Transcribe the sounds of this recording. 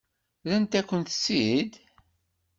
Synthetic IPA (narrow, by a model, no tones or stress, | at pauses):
lænt̪ækʷːənt̪sid̪